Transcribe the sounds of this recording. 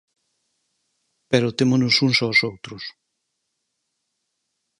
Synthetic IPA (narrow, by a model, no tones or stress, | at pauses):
peɾot̪emonʊsunsaosowt̪ɾʊs